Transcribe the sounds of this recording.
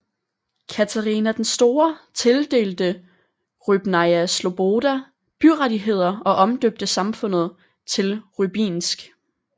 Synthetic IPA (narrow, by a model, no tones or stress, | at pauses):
kʰæt͡sʰæʁiːnæd̥ensd̥o̝ːɐt͡sʰe̝ld̥e̝̰ːld̥ə | ʁyb̥nɑɪæslo̝b̥o̝d̥æ | b̥yʁadiɦe̝ð̞̰ˠɐɒ̽ʔɒ̽md̥øb̥̚d̥əsɑ̈mfɔ̽n̰ð̞̩ˠ | t͡sʰe̝lʁyb̥ḭːnsɡ̥